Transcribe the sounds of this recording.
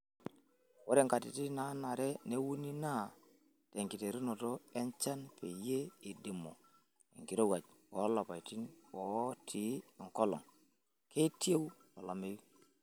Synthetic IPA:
wo˦ɾe˦ŋka˨tḭ˨ti˦na˦na˨ɾe˦ne˦wu˦ni˦na˦ | te˨ŋki˨te˨ɾi˦no˨to˦e˦nt͡ʃa˦npe˨je˦i˨di˨mo˨ | ḛ˨ŋki˨ɾo˦wa˨t͡ʃ | wo˨˦lo˨pa˨jti˦nwo˨˦tʰi˨˦˨ŋko˦lɔ̰˨ŋ | ke˦ti˦e˦wlo˨lo˨me˦ju˦

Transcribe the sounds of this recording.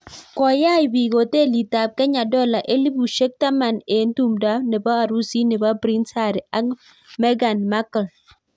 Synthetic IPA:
kɔ˨˦ja˦i˨bi˨ɡo˨te˦˨li˨ta˨p̚kɛ˦ɲa˨dɔ˦˨la˨ʔe˦li˦bu˨ʃe˦k̚ta˦ma˨ne˨˦n̩˦tu˦mda˦ne˨ba˦a˨ɾu˦si˦ne˨ba˦bɾi˦nsa˦˨ɾi˨a˦k | mɛ˦ɡa˨nma˦kə˨l

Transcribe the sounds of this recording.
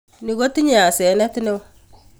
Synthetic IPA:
ni˨ɡo˦ti˦ɲ˦a˨sɛ˨˦nɛ˦ti˦ne˦w

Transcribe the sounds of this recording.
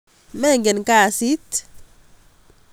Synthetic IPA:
mɛ˦˨ŋɡe˨nka˦˨si˦t̪

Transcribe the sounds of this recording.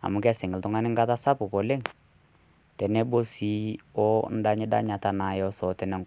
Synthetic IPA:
a̰˨mʊ˨kɛ˦sɪ˨ŋɪ˨ltʊ˦ŋa˦nɪ˦ŋ̩˦ɡa˦ta˦sa˦pʊ˨kɔ˨le˦ŋ | tɛ˨nɛ˦bo˦si˨˦ɔ˦n̩˦da˦ɲɪ˦da̰˦ɲa˨ta˦na˨jɔ˦sɔ˨tɛ˨nɛ˨˦ŋ

